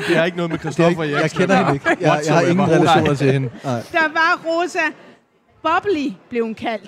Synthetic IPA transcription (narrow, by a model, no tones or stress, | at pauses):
d̥e̝æɐe̝ɡ̥ənɔ̽ðˠmekʰʁɛsd̥ɔfɐjɑ̈ɪkʰenɐhe̥eɡ̥jɑjɑ̈hɑ̈e̝ŋnn̩ʁɛlæʃo̝̰ːnɐt͡sʰe̝lhenə̰d̥ɑʋɑ̈ʁosæ | b̥ɒb̥lib̥le̝ʊhunkʰæl̰d̥